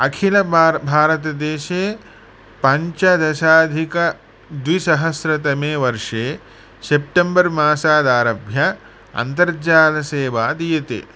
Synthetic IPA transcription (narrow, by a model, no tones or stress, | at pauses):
ɐkʰilɐbʱaːɾɐt̪ɐd̪eːʃeː | pɐɲt͡ʃɐd̪ɐʃaːd̪ʱikɐ | d̪ʋisɐɦɐsɾɐt̪ɐmeːʋɐɾʂeː | sep̚ʈembɐɾmaːsaːd̪aːɾɐbʱjɐ | ɐ̰nt̪ɐɾd͡ʒaːlɐseːʋaːd̪ijɐt̪ḛː